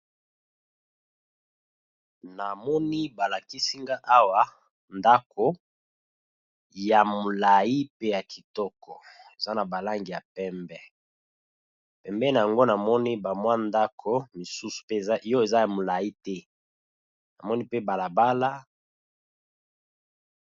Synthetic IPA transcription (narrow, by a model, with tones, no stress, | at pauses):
na˨mɔ˦ni˦ba˨la˨ki˦si˦ŋɡa˦ʔa˦wa˦ | nda˦kʰo˦ | ja˨mo˨la˨i˦pe˦ja˨kʰi˨tɔ˦kʰɔ˨ | e˨za˦na˨ba˨la˦ŋɡi˨ja˨pɛ˦mbɛ˦ | pɛ˨mbɛ˦na˨ja˨ŋɡo˦na˨mɔ˦ni˦ba˨mwa˦nda˦kʰo˨mi˨su˦su̥˨pe˦jo˦e˨za˦ja˨mo˨la˨ji˦tɛ˦ | na˨mɔ˦ni˦pe˦ba˨la˨ba˦la˦